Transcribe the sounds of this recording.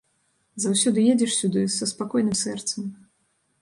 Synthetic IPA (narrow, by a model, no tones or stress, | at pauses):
zawsʲɔd̪ɨjed͡zʲɛʂsʲud̪ɨsɐspakɔjnɨmsɛrt̪sɐm